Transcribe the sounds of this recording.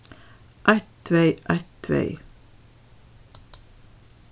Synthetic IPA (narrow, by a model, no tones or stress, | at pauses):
ʔæɪt̪ʰʋeɪʔæt̪ʰʋḛɪ